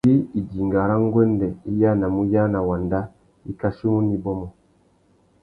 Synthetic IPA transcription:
i˦i˨di˨ŋɡa˨ɾa˦ŋ˦ɡwɛ˦ndɛ˨i˦ja˦na˨mu˦ja˦na˨wa˨nda˦ | i˦ka˦ʃi˦mu˦ni˦bɔ˦mɔ˨

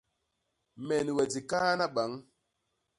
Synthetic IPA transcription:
me˨ni˨we˨ti˨ka˦na˦ɓa˨˦ŋ

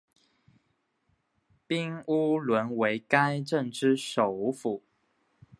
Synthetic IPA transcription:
pi˥ŋu˦lwə˧˦nwe˧˥ɪka˥ɪʈ͡ʂə˥˨ŋʈ͡ʂɻ̩˥ʂo˨˩ʊ˦fu˨˩˦

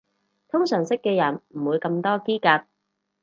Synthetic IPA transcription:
t̪ʰʊ˥ŋsœː˨˩ŋsɪ˥kːɛː˧jɐ˨˩nm̩˨˩wuː˨˧jkɐ˧mt̪ɔː˥kiː˥kaː˧t̚

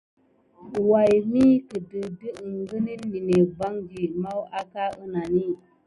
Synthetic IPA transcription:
wa˨jmi˦kə˨də˨də˦˨ŋɡə˦ni˦lmi˨ne˨ba˦ŋɡi˨ma˦wa˦ka˦ə˦na˨ni˦

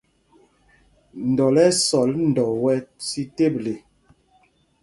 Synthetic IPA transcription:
n̩˨dɔ˨lɛ˦sɔ˨ln̩˨dɔ˨wɛ˦si˦te˦˨ble˨

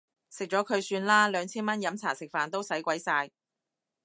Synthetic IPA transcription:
sɪ˨k̚t͡ʃɔː˨˥kʰɵ˨˧ɥsyː˧nlaː˥lœː˨˧ŋt͡sʰiː˥nmɐ˥njɐ˨˥mt͡sʰa̰ː˨˩sɪ˨k̚faː˨˩nt̪o˥wsɐ˨˥jkʷɐ˨˥jsaː˧j

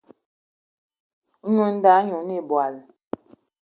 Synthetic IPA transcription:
ɲu˨n˦da˨˦ɲu˨˦ni˦˨bwa˨l

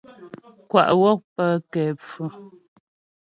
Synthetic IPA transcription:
kwa̰˨ʔwɔ˦˨k̚pə˦kɛ˨p͡fu˨

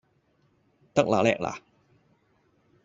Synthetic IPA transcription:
t̪a˥˩k̚la̰ː˨˦lɛ̰ː˧˩k̚la̰˧˦

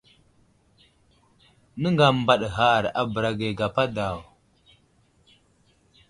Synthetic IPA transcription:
nə˦ŋɡa˨m˨ba˨ɗɦa˦˨ɾa̰˨bə˨ɾa˨ɡe˨ɡa˨pa˦da˨w

